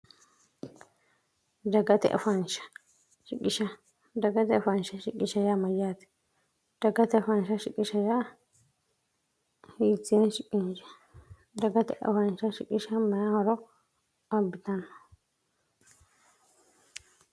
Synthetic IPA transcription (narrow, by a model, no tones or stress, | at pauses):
d̪ɐɡɐt̪ɛ̰ʔɐ̰fɐnʃɐ̥ | ʃɪkʼːɪʃɐ | d̪ɐɡɐt̪ɛɐfɐnʃɐʃɪkʼːɪʃɐjaːmɐjaːt̪ɪ̥ | d̪̥ɐɡɐt̪ɛɐfɐnʃɐʃɪkʼːɪʃɐjaː | hiːt͡sːɪjɛnʃɪkʼːɪnd͡ʒɛ̥ | d̪ɐɡɐt̪ɛʔɐ̰fɐnʃɐʃɪkʼːɪʃɐmɐjahɔɾɔ | ɐbːɪt̪ɐnɐ